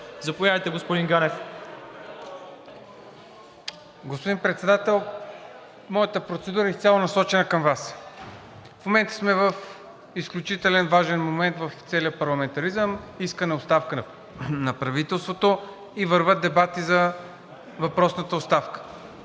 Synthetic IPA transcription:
zɐpovjavəjt̪ɛɡospod̪iŋɡanɛf | ɡospod̪inpɾɛt̪sɛd̪at̪ɛlˠ | mɔjət̪əpɾot̪sɛd̪uɾəist̪ʲjalˠonɐsɔt͡ʃɛnəkəmvas | fmomɛnt̪ə̥smɛvəf | isklʲut͡ʃit̪ɛlɛnvaʒɛnmomɛnt̪vəft̪sɛliəpɐɾlˠɐmɛnt̪ɐɾizəmiskənɛot̪st̪afkə | nɐpɾɐvit̪ɛlˠst̪vot̪o | ivəɾvət̪̚d̪ɛbat̪izɐ | vɐpɾɔsnət̪əʊtst̪afkə̥

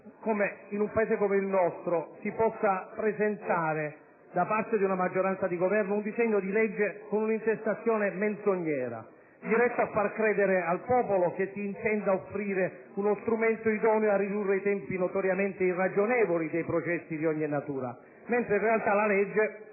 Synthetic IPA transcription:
komeinumpaeːzekomeilnɔst̪ɾosipɔsːapɾezent̪aːɾe | d̪apart̪ed̪iunamad͡ʒːoɾant̪sad̪iɡovɛrnound̪izɛɲːod̪ilɛd͡ʒːekonunint̪est̪at̪sːjoːnement̪szoɲːɛːɾa̰ | d͡ʒiɾɛst̪ːaafːarkɾɛːd̪eɾealpɔːpolok̟esiːnt̪ɛnd̪aofːɾiːɾe | unost̪ɾumɛnt̪oid̪ɔːneoarːid̪urːeit̪ɛmpinot̪oɾjament̪eirːad͡ʒonɛːvolid̪ejpɾot͡ʃɛsːid̪iɔɲːinat̪uːɾa̰ | ment̪ɾeĩnrealt̪alalɛd͡ʒːe

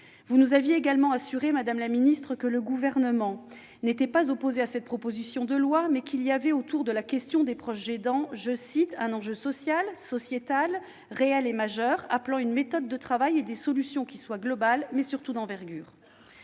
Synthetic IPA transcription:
vunuzavjeːɡalmɑ̃asyʁemad̪amlaminist̪χəkələɡuvɛʁnəmɑ̃ | net̪ɛpazɔpozeasɛt̪̚pχɔpozisjɔ̃d̪əlwamɛkʲiliavɛot̪uʁd̪əlakʲɛst̪jɔ̃d̪epχɔʃʒed̪ɑ̃ʒəsit̪ɛ̃nɑ̃ʒøsɔsjalsɔsjet̪al | ʁeɛlemaʒœʁaplɑ̃ynmet̪ɔd̪ːət̪χavajed̪esɔlysjɔ̃kʲiswaɡlɔbalmɛsyʁt̪ud̪ɑ̃vɛʁɡʲyːʁ

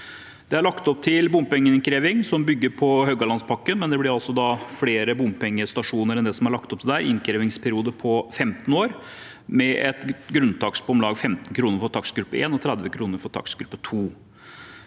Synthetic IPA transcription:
d̪̥ɛæɾɭɑkt̪ɔp̚t̪ʰɪlbʊmːpɛŋːənɪnkʰɾeːʋɪŋsɔmbʏɡːəɾpʰɔhœɡɑlɑnspʰɑkːənmɛnd̪ɛblɪɾɑlsɔd̪ɑfɽeːɾəbʊmːpɛŋːəst̪ɑʂuːnəɾɛnd̪ɛsɔmæɾɭɑk̚t̪ɔpt̪ʰɪlæːɾɪ̰nkʰɾɛːʋɪŋspʰæɾɪuːd̪əpʰɔfɛmt̪n̩oːɾ | mɛʔɛt̪ɡɾʉnt̪ʰɑksbʊmlɑːɡfɛmt̪n̩kʰɾuːnəɾfɔʈ̪ʰɑksɡɾʉpːəḛːnɔt̪ʰɾɛd̪ʋəkʰɾuːnəɾfɔʈ̪ʰɑ̰ksɡɾʉpːət̪ʰuː

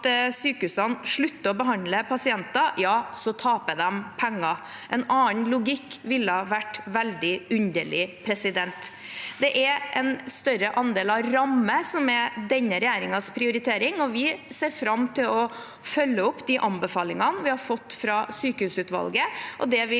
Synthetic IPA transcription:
t̪syːkəhʉːsɑnʂɭʉt̪ːəɔbəɦɑnləpʰɑsɪɛnt̪ɑjɑːsɔt̪ʰɑːpəd̪ɛmpʰɛŋːɑʔɛnɑːnlʊɡɪkːʋɪlːəhɑʋæʈːʋæld̪ɪʉnd̪əɭɪpʰɾɛsɪd̪ɛnt̪ | d̪ɛʔɛɾʔɛnst̪œɾəʔɑnd̪eːlɑʋɾɑmːəsɔmɛd̪ɛnːəɾɛjæːɾɪŋɑspʰɾɪʊɾɪt̪ʰeːɾɪŋɔʋɪseːɾfɾɑmːt̪ʰɪlɔ | fœlːəʊpːd̪iʔɑnbəfɑːlɪŋɑnʋɪhɑɾfɔt̪ːfɾɑsyːkəhʉːsʉːt̪ʋɑ̰lɡəʔɔd̪ɛʋɪ

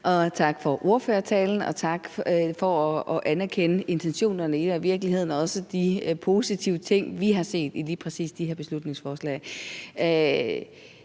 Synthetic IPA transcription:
ʔɒ̽t͡sʰɑ̈ɡ̥fɒ̽ʔo̝ɐføːɐt͡sʰɛːln̩ɒ̽t͡sʰɑ̈ɡ̥fɒ̽ɒʔænæɐkʰenəʔe̝nt͡sʰenɕo̝̰ːnɐnəed̥ɒʋiɐɡ̥əliɦe̝ð̞̰ˠn̩ɒ̽səd̥ipʰo̝ːsit͡sʰiʊət͡sʰe̝ŋ̰ʋiɦɑ̈se̝̰ːd̥iliːpʰʁɛsḭːsd̥iheɐ̰b̥e̝slud̥ne̝ŋsfɒːslɛ̰ɪ

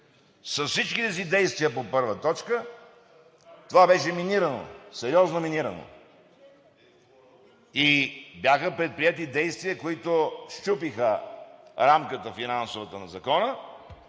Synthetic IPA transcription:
sɐsfsit͡ʃkit̪ɛsid̪ɛjst̪viəpopɤɾvət̪ɔt͡ʃkə | t̪ovabɛʃɛminiɾəno̰sɛɾiɔznominiɾəno̰ | ibjaxəpɾɛt̪̚pɾiɛt̪id̪ɛjst̪viəkoit̪oʃt͡ʃupixə | ɾamkət̪əfinansovɐt̪ənɐzɐkɔnə

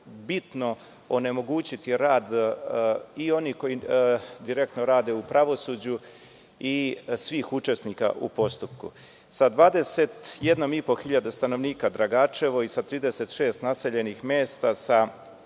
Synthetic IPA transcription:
bit̪no̞ | one̞mo̞ɡuːt͡ɕit̪iɾaːd̪ | io̞niːhko̞jid̪iɾe̞k̚t̪noɾaːd̪e̞upɾaʋo̞suːd͡ʑu | isʋiːxut͡ʃe̞sniːka̰ʔṵpo̞st̪up̚kṵ | sad̪ʋaːd̪e̞se̞t̪je̞d̪no̞mipo̞xiʎad̪est̪ano̞ʋniːkad̪ɾaɡaːt͡ʃe̞ʋo̞isat̪ɾiːd̪e̞se̞t̪ʃe̞ːst̪nase̞ʎe̞nixmjeːst̪asa

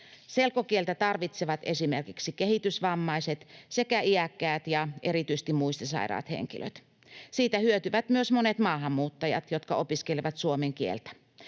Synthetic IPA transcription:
se̞lkokielt̪æt̪ɑrʋit̪seʋɑt̪esimerkiksikehit̪ysʋɑmːɑiset̪sekæʔiækːæːt̪jɑʔeɾit̪yise̥st̪immuist̪esɑ̰iɾɑ̰ːt̪hḛŋkḭlʔø̰t̪ | siːt̪æhyøt̪yʋæt̪myøsmonet̪mɑːɦɑmːuːt̪ːɑjɑ̰t̪jot̪kɑʔo̞piskeleʋɑt̪suomeŋk̟iḛlt̪æ̥

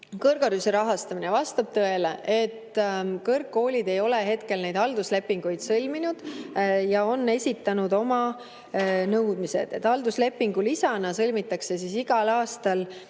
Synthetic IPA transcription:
kɤrɡ̥ɑɾyseɾɑɦɑst̪ɑminevɑst̪ɑb̥̚t̪ɤe̞leʔet̪ːkɤrkːo̞ːlʲid̪e̞jo̞le̞ɦe̞t̪ke̞lne̞jd̪̥ɑld̪usle̞pːiŋɡ̥ujd̪̥sɤlʲminud̪̥jɑo̞nːe̞sʲit̪ːˑɑnud̪o̞mɑ | nɤwd̪̥mise̞̰d̪̥e̞t̪ːˑɑld̪usle̞pːiŋɡulisɑnɑsɤlʲmit̪ːˑɑkse̞s̬isiɡ̥ɑlɑːst̪ɑl

